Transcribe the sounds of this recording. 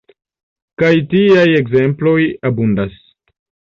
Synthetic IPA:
kajtiaje̞ɡze̞mplo̞jabundas

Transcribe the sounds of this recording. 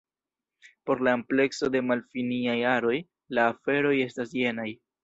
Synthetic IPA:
po̞ɾlaemple̞kso̞de̞malfiniajaɾo̞j | laːfe̞ɾo̞je̞stasje̞naj

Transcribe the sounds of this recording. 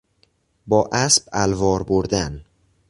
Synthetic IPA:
bɒːʔæsbælvɒːɾboɾd̪æn

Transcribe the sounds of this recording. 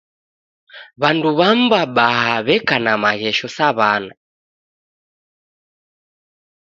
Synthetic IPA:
βanduβambaɓahaβɛkanamaɣɛʃɔsaβana

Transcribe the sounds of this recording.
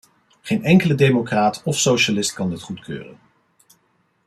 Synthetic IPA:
χejnɛŋkələdejmokraːtɔfsowʃalɪst̚kɑndɪtχutkʰø̰ːrə̰n

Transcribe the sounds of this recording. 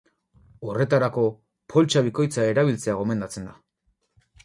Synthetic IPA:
o̞re̞t̪aɾako̞ | po̞lt͡ʃaβ̞iko̞jt͡sae̞ɾaβ̞ilt͡se̞aɣo̞me̞nd̪at͡se̞nd̪a

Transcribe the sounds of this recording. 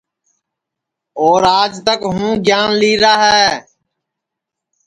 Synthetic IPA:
oːɾaːd͡ʒt̪əkɦũːɡjaːnliːɾaːɦɛː

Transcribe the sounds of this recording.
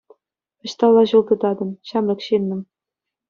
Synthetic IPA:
ɤ̆ɕt̪ɑlˠːɑʑulˠd̪ɤ̆d̪ɑd̪ɤ̆mɕɑmlʲɤ̆kɕinʲːɤ̆m

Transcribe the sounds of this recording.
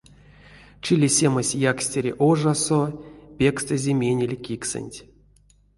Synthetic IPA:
t͡ʃilʲesʲeməsʲjaksʲtʲeɾʲḛʔoʐasopʲe̞kst̪ɨzʲemʲenʲelʲkʲiksɨ̰nʲtʲ

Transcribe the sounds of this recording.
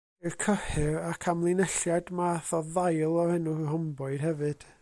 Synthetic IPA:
kʰəhɪrakʰamlˠɪnɛɬjadmaθɔðajlˠɔhɛnuɦɔmbɔɨd̥hɛvɨd̥

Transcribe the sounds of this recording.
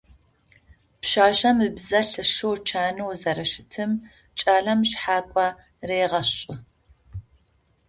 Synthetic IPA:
pɕaːʃɐmɨbzɐɬɨʃɨwt͡ʃʰaːnɨwzɐɾɐʃɪtʰɨm | t͡ʃʼaːɮɐmɕħaːkʷʼɐ | reːjʁɐɕʼɪ

